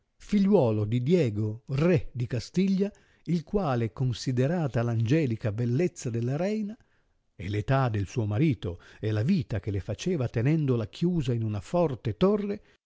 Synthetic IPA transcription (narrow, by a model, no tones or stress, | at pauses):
fiʎːwɔːlod̪id̪jɛːɡorɛd̪ikast̪iʎːa | ilkwaːleɛkːonsid̪eɾaːt̪aland͡ʒɛːlikabelːet̪sːad̪elːaɾɛjna | ḛlet̪ad̪elsuːomaɾiːt̪oelaviːt̪ak̟elefat͡ʃeːvat̪enɛnd̪olakʰjuːzainunafɔrt̪et̪orːe